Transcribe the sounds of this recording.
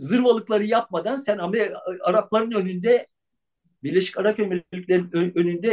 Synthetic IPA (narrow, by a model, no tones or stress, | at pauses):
zɯɾvalˠɯklˠaɾɯjap̚mad̪ansænameaɾap̚lˠaɾɯnønynd̪ɛ | biɾlʲe̞ʃi̥caɾapømellʲicʲlʲeɾinøønynd̪ɛ